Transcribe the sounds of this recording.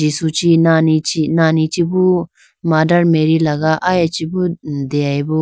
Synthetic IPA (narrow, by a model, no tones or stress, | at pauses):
isut͡ʃinanit͡ʃinaːnit͡ʃibu | maːdɐɾmeɾilɐɡaʔajat͡ʃibud̪eajbu